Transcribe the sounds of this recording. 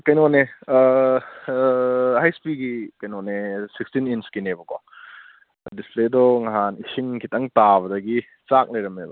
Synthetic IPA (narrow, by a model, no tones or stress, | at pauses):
kɐjnone | hajspiɡikɐjnonesikstininskinebɐkɔ | displedɔŋaɦanisiŋkʰitɐŋtaβɐdɐɡi | t͡ʃak̚lɐjɾɐmebɐ